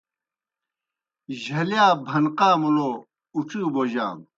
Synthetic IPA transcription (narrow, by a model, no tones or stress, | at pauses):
ʑʱɐljaːbʱɐnqaːmulo | uʈ͡ʂiːboʑa̰ːm